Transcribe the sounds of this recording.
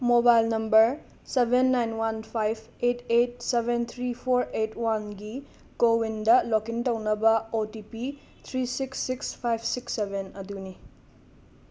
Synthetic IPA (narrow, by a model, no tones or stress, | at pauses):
mobajlnɐmbɐɾ | sebʱenːajnwanpʰajbʰ | etet̚sebʱent̪ʰɾipʰoɾetwanɡi | ɡowindɐlokiŋtɐwnɐbɐotipi | t̪ʰɾisiksːikspʰajbʰsiksːebenɐduni